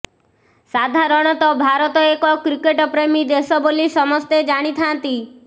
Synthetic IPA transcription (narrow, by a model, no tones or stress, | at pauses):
sad̪ʱaɾɔɽ̃ɔt̪ɔbʱaɾɔt̪ɔekɔkɾikeʈɔpɾemid̪esɔbolisɔmɔst̪ed͡ʒaɽ̃it̪ʰant̪i